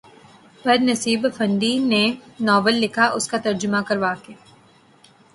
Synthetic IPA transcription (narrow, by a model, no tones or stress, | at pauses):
pɛd̪nɐsiːbfɐ̃nɖ̪inenɔːbəlːɪkʰaʔʊskat̪ɐɾd͡ʒʊmakɐɾʋaːkeː